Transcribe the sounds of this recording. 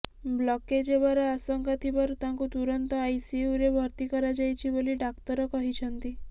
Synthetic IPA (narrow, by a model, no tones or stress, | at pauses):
blɔked͡ʒebaɾaasəŋkat̪ʰipəɾt̪ãŋkut̪uɾənt̪ɔajsiuɾebʱəɾt̪ikɔɾad͡ʒajt͡ʃʰiboliɖakt̪ɔɾɔkɔɦit͡ʃʰənt̪i